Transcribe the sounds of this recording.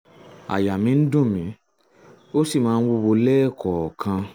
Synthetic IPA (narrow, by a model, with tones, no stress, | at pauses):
a̰˨ja˨mĩ˨˧˦n̩˦dũ˦˨mĩ˨˦ | o˦si˦˨mãː˨˦˧wo˧wo˧lɛː˦˨kɔ˨kʰã˧